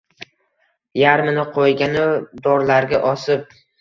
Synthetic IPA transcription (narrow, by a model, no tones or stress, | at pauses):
jaɾmɪnɪqʰojɡʲanɪd̪ɒɾlaɾɡʲaʔɒsɪp̚